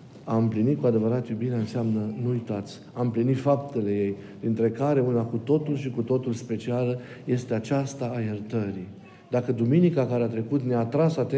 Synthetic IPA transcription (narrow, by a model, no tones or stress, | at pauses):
aɨmplinit̪kuad̪e̞vəɾat̪jubinaɨnseamnənuujt̪at̪sʲ | aɨmplinit̪fap̚t̪e̞le̞je̞jd̪int̪ɾe̞kaɾe̞unakut̪o̞t̪ulʃikut̪o̞t̪ulspe̞t͡ʃialə | je̞st̪e̞at͡ʃast̪aːje̞rt̪əɾi | d̪akəd̪uminikakaɾeat̪ɾe̞kut̪neaːt̪ɾasat̪e